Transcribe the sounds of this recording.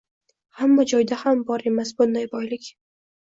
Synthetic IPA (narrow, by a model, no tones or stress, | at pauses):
hamːad͡ʒɒjd̪ahambɒɾe̞masbʊnd̪ajbɒjlɪkʲ